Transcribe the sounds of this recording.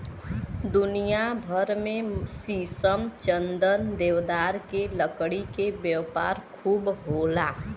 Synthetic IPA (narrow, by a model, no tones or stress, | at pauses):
d̪ʊnijabʱəɾmẽsiːsəmt͡ʃə̃nd̪ənd̪eːʋd̪aːɾkeləkɽikebjəwpa̰ːɾkʰuːbɦoːlaː